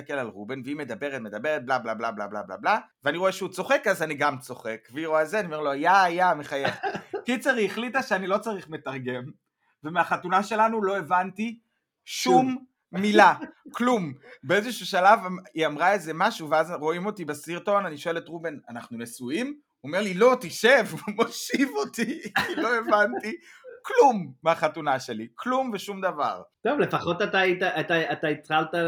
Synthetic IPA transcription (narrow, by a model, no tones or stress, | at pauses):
ist̪ake̞lalʁubenveime̞d̪abe̞ʁetme̞d̪abe̞ʁet̚blablablabla̰bla̰bla̰blaveaniʁoeʃeut͡so̞χe̞kazaniɡamt͡so̞χe̞kveiʁoazeaniome̞ʁlojaːjameχajeχkit͡seʁiːχlitaʃeanilo̞t͡saʁiχme̞taʁɡe̞m | vemeaχatunaʃe̞lanulo̞e̞vanti | ʃumː | ilaklumbeeze̞ʃuʃalavaiamʁaeze̞maʃuveazʁo̞imo̞tibesiʁto̞naniʃo̞e̞le̞tʁube̞nanaχnunesuim | ome̞ʁlilo̞t̪iʃevmo̞ʃivo̞t̪iiloe̞vanti | klumːeaχatunaʃe̞likʰlumveʃumd̪ava̰ʁt̪ovle̞faχotataitaataat̪ait͡sχalta